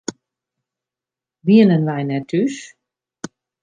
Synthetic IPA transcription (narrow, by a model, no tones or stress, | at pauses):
ʋiənənʋɛjnɛtʰys